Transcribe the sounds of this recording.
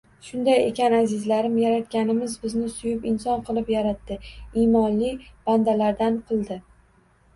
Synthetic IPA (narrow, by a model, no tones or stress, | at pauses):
ʃʊnd̪ajekʲanazɪzlaɾɪmjaɾat̪̚ɡʲanɪmɪzbɪznɪsʊjʊpɪnsɒnqʰɨlˠɪpjaɾat̪ːɪimɒnlɪb̥and̪alaɾd̪anqʰɨlˠd̪ɪ